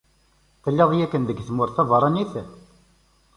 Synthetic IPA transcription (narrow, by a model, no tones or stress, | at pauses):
θəlːeðˤijækːənðəɡθəmʊɾθævɑɾˤɑniθ